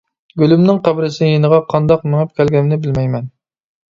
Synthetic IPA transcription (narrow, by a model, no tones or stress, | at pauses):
ɡʲølymnɪŋqʰæbɾɪsɪnɪjenəʁɑqʰɑnd̪ɑq̚mɪŋæp̚kʲʰɛlɡʲɛmnɪbɪlmɛjmɛn